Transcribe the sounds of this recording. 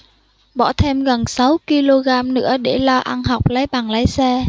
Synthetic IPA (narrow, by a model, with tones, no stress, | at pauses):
ɓɔ˧˩t̪ʰe˧mɣə˨˩nsa˨˦wki˧lo˧ɣaː˧mnɨ̰˧˥əɗe˧˩lɔ˧ʔa˧nɦa˨˩wk͡p̚lə˨˦jɓaː˨˩nlə˨˦jsɛ˧